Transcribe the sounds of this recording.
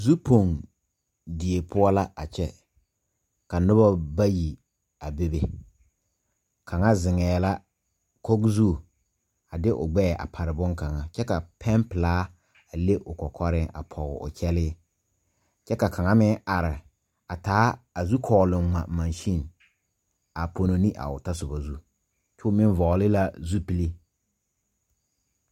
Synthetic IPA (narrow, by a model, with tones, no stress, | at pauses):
zu˦pʰo˨ŋ | dɪ˨e˨pʰʊ˦ɔ˦la˦a˨t͡ʃɛ˦ | ka˨nʊ˦ba˦ba˦ji˨ | a˨be˦be˨ | kʰa˨ŋa˦zɪ˨ŋɛː˨la˦ | ko˦ɡzu˦˨ | a˨dɪ˦ʔʊ̰˨ɡ͡bɛ˦˨ʔa̰˨pʰa˨ɾɪ˨bʊ˦ŋka˨ŋa˨t͡ʃɛ˦ka˨pʰɛ˦mplaː˨˦ | a˨le˦ʔʊ˨kɔ˨kʰɔ˦ɾɪ˦a̰˨pʰɔ˨ɣʊ̰˨ʔʊ̰˨kʰɛ˦lɪ˦ | t͡ʃɛ˦ka˨kʰa˨ŋa˦mɪ˦a˨ɾɪ˨ | a˨taː˨˦a˨zu˦kʰɔː˨lʊ˨mŋ͡ma˨ma˨nʃi˦n˨ | a˨po˨no˨ni˦ʔa̰˨ʊ˨ta˦sʊ˨ba˨zu˦ | t͡ʃʊ˦mɪ˦n˦vɔ˨lɪ˦la˦zu˦pi˦li˦